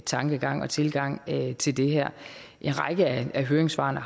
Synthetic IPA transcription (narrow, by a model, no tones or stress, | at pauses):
t͡sʰɑ̈ŋɡ̥əɡ̥ɑ̈ŋ̰ɒ̽t͡sʰe̝lɡ̥ɑ̈ŋ̰t͡sʰe̝ld̥e̝ɦæɐ̰ʔe̝nʁɑ̈ɪɡ̥əææɦøːɐeŋsʋɑ̰̈ːnə